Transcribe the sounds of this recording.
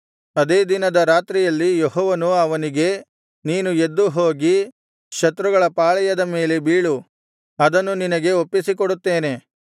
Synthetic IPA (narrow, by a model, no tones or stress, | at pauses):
ɐd̪e̞ːd̪inɐd̪ɐɾaːt̪ɾijɐlːijoɦɔːʋɐnuɐʋɐniɡe̞ | niːnued̪ːuɦo̞ːɡi | ʃɐt̪ɾuɡɐɭɐpaːɭɐjɐd̪ɐme̞ːle̞biːɭu | ɐd̪ɐnːuninɐɡe̞opːisikoɽut̪ːe̞ːne̞